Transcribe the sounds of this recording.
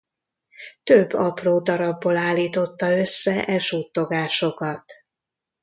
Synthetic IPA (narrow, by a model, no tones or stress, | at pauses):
t̪øbːɒproːd̪ɒɾɒbːolaːlːiːt̪o̞t̪ːɒø̞sːɛʔɛʒuːt̪ːo̞ɡaːʃo̞kɒt̪